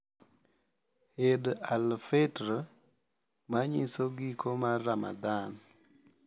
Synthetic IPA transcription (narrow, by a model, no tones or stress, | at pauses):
hedalfetɾo | maɲisoɡikʰomarːama̰d̪an